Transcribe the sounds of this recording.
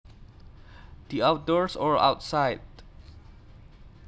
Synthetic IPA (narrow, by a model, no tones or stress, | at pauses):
d̥iaʊt̚dɔɹsɔɹa̰wtsaɪd